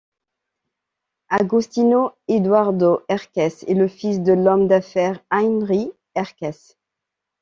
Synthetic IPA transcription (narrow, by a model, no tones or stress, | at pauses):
aɡust̪inoed̪waʁd̪oʔɛʁkʲɛseləfis̬d̪əlɔmd̪afɛʁajnʁi | ɛʁkɛs